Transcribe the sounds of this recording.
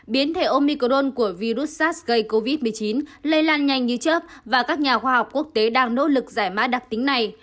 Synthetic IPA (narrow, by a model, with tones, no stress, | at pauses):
ɓi˨˦ənt̪ʰe˧˩ʔo˧mi˧ko˧ɗo˧nku˧˩əvi˧ɾu˦˥t̚saː˦˥t̚ɣə˧jko˧vi˦˥t̚mɨ˨˩əjt͡ɕi˨˦nlə˧jlaː˧nɲa˨˩jŋɲɨ˧t͡ɕə˦˥p̚vaː˨˩kaː˦˥k̚ɲaː˨˩xwaː˧ha˨˩wk͡p̚ku˦˥ək̚t̪e˨˦ɗaː˧ŋno̰˧˦˥lɨ˨˩k̚zaː˧˩jmaː˦˥ɗa˨˩t̪ï˨˦ŋ̟na˨˩j